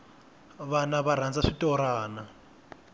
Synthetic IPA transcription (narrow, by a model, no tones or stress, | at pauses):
βanaβaɾ̤and͡zaʂitɔɾaːna